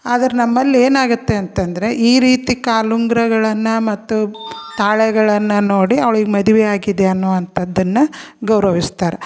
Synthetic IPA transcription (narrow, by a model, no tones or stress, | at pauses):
aːd̪ɐɾenɐmːɐlːieːnaːɡut̪ːe̞ɐnt̪ɐnd̪ɐɾe̞ʔiːɾiːt̪ikaːluŋɡɾɐɡɐɭɐnːɐmɐt̪ːut̪aːɭɛɡɐɭɐnːɐnoːɽiɐʋɐɭiɡemɐd̪uʋɛaːɡid̪eɐnːuʋɐnt̪ʰɐd̪ːɐnːɐ | ɡɐwɾɐʋist̪aːɾe